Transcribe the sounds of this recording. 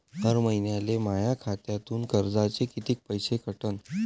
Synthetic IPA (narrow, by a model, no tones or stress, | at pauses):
təɾməjnjalemajakʰat̪jat̪uːnkəɾd͡zat͡sekit̪iːk̚pəjsekʰəʈən